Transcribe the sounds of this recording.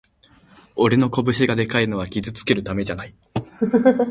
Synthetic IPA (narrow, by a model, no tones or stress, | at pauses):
o̞ɾe̞no̞ko̞bɯ̟ɕiɡad̪e̞kaino̞β̞akʲizɨt͡sɨ̥ke̞ɾɯ̟t̪ame̞ʑanai